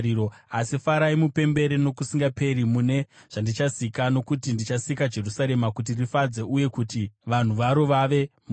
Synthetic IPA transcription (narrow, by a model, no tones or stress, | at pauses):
iɾoasifaɾaimupe̞mbe̞ɾeno̞kusiŋɡape̞ɾimune̞ | ʐ̥andit͡ʃasikano̞kutindit͡ʃasikad͡ʒe̞rusaɾe̞makut̬irifad͡ze̞ʔuje̞kutiʋan̤uʋaɾo̞ʋaʋe̞m